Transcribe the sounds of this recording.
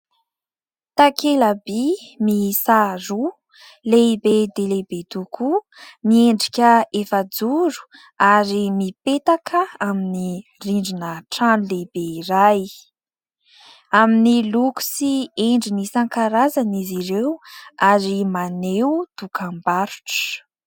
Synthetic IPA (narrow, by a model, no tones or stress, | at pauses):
t̪akʰelabimisaɾu | lebed̪elebet̪uku | mieɳɖ͡ʐi̥kʲəefəd͡zuɾu̥ | aɾimipet̪akʰəaminiriɳɖ͡ʐinəʈ͡ʂanlebeiraj | aminiluku̥sieɳɖ͡ʐinisaŋkaɾazaniziɾewaɾimanewut̪ukʰambaɾu̥ʈ͡ʂə̥